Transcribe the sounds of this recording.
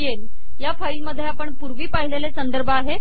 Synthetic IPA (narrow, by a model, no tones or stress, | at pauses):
jel | jafaiməd̪ʱːjeapəɳpuɾʋiːpaɦilelesənd̪əɾbʱəːɦe